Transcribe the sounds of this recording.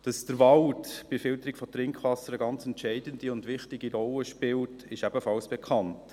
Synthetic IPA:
d̥ɑsd̥əɾʋɑltb̥ɪfɪlt̪əɾɪkfɔtɾɪŋkχʋɑsəɾəɡɑnt͡sɛntt͡ʃɛɪdənd̥iʊndʋɪχtɪɡiɾɔlːəʃpɪltɪʃɛb̥əfɑlsb̥ɛkʰɑnt

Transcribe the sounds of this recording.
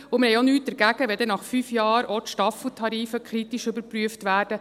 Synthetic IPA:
ʊmɪɾhɛjonyːt̚d̥̪əɾɡ̥æɡ̥əʋɛdɛnɑχfyːfjɑːɾɔtʃtɑfl̩tʰɑɾiːfəkʰɾit̪iʃʏbəɾpryəftʋæːrd̥ə

